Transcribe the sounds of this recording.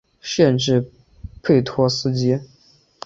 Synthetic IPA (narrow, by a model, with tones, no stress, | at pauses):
ɕjɛ˥˧nʈ͡ʂɻ̩˥˧ | pʰe˥˩ɪt̪ʰwɔ˥sɹ̩˥t͡ɕjɛ˥